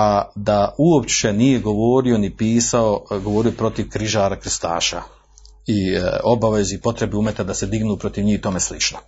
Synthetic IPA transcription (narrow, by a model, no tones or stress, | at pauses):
ad̪auopt͡ʃe̞nije̞ɡo̞ʋoːɾionipiːsao̞ɡo̞ʋo̞ːɾijopɾo̞t̪iʋkɾiʒaːɾakɾst̪a̰ːʃa̰ | io̞baʋe̞zipo̞t̪ɾe̞beumet̪ad̪ase̞d̪iɡnuːpɾo̞t̪iʋɲiːht̪o̞meslit͡ʃno